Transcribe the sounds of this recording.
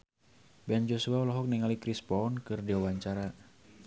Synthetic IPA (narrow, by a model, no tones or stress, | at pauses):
bɛnd͡ʒosuaulɔɦɔk̚nɛŋalikɾispɔɔnkɨrdiwawaɲt͡ʃaɾa